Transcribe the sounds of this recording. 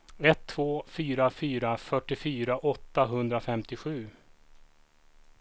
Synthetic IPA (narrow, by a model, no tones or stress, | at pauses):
ɛt̪ʰːv̥oːfyːɾafyːɾafœʈːɪfyːɾaʔɔt̪ːaɦɵnd̪ɾafɛmt̪ɪɧʉ̟ː